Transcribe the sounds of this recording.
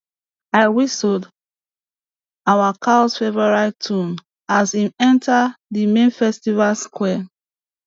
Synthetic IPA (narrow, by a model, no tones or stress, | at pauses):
aɪwisod | awakʰasfɛvaɹaɪtʰũn | azimɛ̃ntʰadimẽnfɛstivalskwɛ